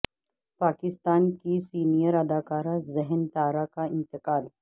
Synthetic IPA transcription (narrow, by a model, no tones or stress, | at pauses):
paːkɪst̪aːnkisiːnijəɾɐd̪akaːɾazɛɦənt̪aːɾakaɪnt̪əkaːl